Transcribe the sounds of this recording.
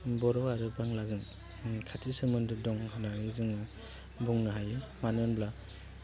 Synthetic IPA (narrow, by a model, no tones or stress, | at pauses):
bɔɾɔwaɾɯbaŋlazɯŋ | kʰatʰisɯmɯndɯdɔŋhɯnaɾizɯŋ | buŋnɯɦajɯmanɯnbla